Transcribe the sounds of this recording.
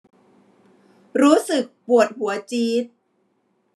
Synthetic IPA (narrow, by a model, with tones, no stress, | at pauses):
ɾuː˦˥sɯ˨˩k̚pu˨˩ət̪̚hu˩˦ɐt͡ɕiː˦˥t̪̚